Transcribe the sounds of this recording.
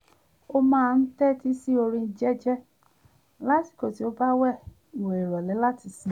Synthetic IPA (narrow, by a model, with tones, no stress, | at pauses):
o˦mãː˦˧n̩˦tɛ˦˨ti˦si˦o˧ɾĩ˧˦d͡ʒɛ˦d͡ʒɛ˦ | la˦ti̥˨ko˨ti˨˦o˧ba˦wɛ˦˨ | i˨we˨i˨ɾɔ˨lɛ˨˦la˦ti˧˨si˨˦